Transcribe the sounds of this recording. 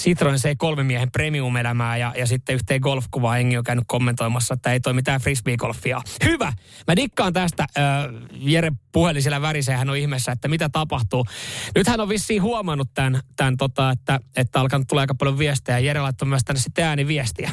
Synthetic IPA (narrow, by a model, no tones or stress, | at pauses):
sit̪roinseikolmemːiæhempremiumelæmæːjɑjɑsit̪ːeyht̪eːɡolfkuʋɑːeŋːiokæynykkomːent̪oimɑsːɑet̪ːæeit̪oimit̪æːfrismiːɡolfːiɑ̰hyʋæ | mædikːɑːnt̪æst̪æːjeɾepuhelːisilːæʋæɾisæehænoihmesːæet̪ːæmit̪æt̪ɑpɑht̪uːnyt̪hænoʋʋisːiːhuɑmɑnːut̪t̪ænt̪ænt̪ot̪ɑet̪ːæet̪ːæɑlkɑnut̪t̪uleːɑikɑpɑljoʋʋiest̪iæjɑjeɾelɑit̪ːɑmyæst̪ænːesit̪ːeæːniʋiest̪iæ